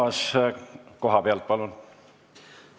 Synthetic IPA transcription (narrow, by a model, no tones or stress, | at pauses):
ɑs | ko̞ɦɑpeɑlt̪̚pɑlon